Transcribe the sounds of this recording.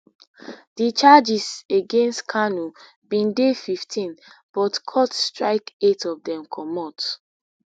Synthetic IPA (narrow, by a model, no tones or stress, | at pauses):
dit͡ʃad͡ʒiseɡẽnstkʰanu | bĩndefiftʰĩnb̥ɔtkʰɔtstɹaɪketɔvdɛ̃mkʰɔmɔt